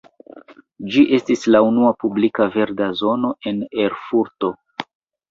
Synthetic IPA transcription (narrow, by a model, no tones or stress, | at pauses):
d͡ʒiʔe̞stislaunuapublikave̞ɾdazo̞no̞e̞ne̞ɾfuɾto̞